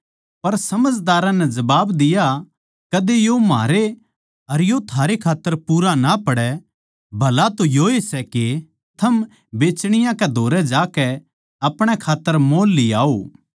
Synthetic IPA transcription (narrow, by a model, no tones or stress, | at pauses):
pɐɾsɐməd͡ʒd̪aːɾãnɛd͡ʒɐbaːbd̪ɪja | kɐd̪ejoma̰ːɾe | ɐɾjot̪ʰaːɾekʰaːt̪ːəɾpuːɾanapɐɽɛ | bʱɐlat̪ojoesɛke | t̪ʰɐm | beːt͡ʃɽ̃ɪjãkɛd̪ʱoːɾɛd͡ʒaːkɛ | ɐpɽ̃ɛkʰaːt̪ːəɾmoːlːia̰ːo